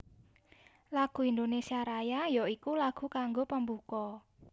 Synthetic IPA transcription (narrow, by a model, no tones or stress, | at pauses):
laɡ̥ṳind̪onesiaɾajajoikulaɡ̥ṳkaŋɡopəmbukɔ